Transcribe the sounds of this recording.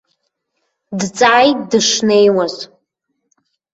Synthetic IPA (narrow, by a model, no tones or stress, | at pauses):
dt͡sʼaːjtdɨʂnejwaz